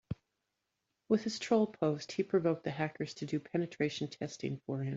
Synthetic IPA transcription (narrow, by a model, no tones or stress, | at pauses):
wɨð̥ɨz̥tʰɹ̥oʊlˠpʰoʊst̚hipʰɹ̥ɨvoʊk̚ðɨɦækə˞z̥tʰɨdɨpʰɛnɨtʰɹ̥eɪʃn̩tʰɛstɪ̰̃ŋfə˞ɪ̃m